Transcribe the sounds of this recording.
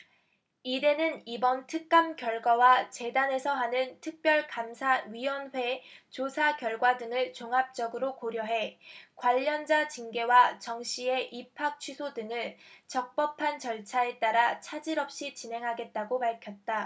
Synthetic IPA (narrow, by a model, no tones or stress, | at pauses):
ide̞nɯnibʌntʰɯk̚k͈amkjʌɭɡwawat͡ɕe̞dane̞sʰʌɦanɯntʰɯk̚p͈jʌɭkamsʰaɥijwʌnɸwe̞t͡ɕosʰakjʌɭɡwadɯŋɯɭt͡ɕoŋɦap̚t͡ɕ͈ʌɡɯɾokoɾjʌɦe̞kwaʎːʌnd͡ʑat͡ɕiŋɡe̞wat͡ɕʌŋɕ͈ʰie̞ʔipʰak̚t͡ɕʰɥisʰodɯŋɯɭt͡ɕʌk̚p͈ʌpʰant͡ɕʌɭt͡ɕʰae̞t͈aɾat͡ɕʰad͡ʑiɾʌp̚ɕ͈it͡ɕinɦe̞ŋɦaɡe̞t̚t͈aɡopaɭkʰjʌt̚t͈a